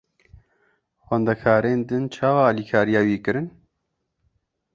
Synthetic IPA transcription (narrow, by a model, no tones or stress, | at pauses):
xɛnd̪ɛkʰaːɾeːnd̪ɨnt͡ʃʰaːwɑːliːkʰaːɾijɑːwiːkɨɾɨn